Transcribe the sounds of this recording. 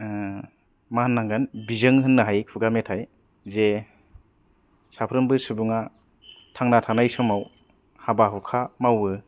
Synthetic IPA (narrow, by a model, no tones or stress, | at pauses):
manːaŋɡanbizɯŋɦɯnːɯɦajkʰuɡametʰaj | ze | sapʰɾɯmbɯsɯbuŋa | tʰaŋnatʰanajsɔmaw | habaɦukʰamawɯ